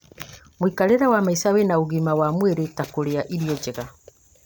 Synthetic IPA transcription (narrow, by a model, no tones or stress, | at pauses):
mwikaɾeɾawamaisawenaoɣimawamweɾetakoɾeaʔiɾiɔd͡ʒeɣa